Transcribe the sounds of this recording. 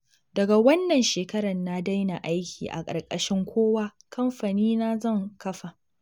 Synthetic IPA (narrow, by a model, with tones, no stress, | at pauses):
dɐ˨ɡa˨wɐ˦nːɐ˨nʃeː˨kɐ˦ɾɐ˨nːa˦da˦jna˨ʔa˦jkʲiː˨ʔa̰˨kʼɐ̰˨rkʼɐ˨ʃɪ˦ŋkʷʰoː˦waː˦ | kʰɐ˦mɸa˨niː˦na˦zɐ˦˨ŋkɐ˦ɸa˨